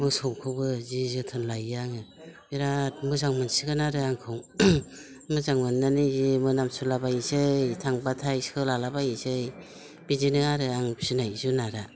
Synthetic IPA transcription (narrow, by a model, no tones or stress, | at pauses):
mɯsɔwkʰɯbɯzizɯtʰɯnlajaŋɯ | biɾat̚mɯzaŋmɯnsiɡɯnaɾɯaŋkʰɯw | mɯzaŋmɯnːanizimɯnamsulabajsɯjtʰaŋbatʰajskʰɯlalabajisɯj | b̥izinɯaɾɯaŋsinajzunaɾa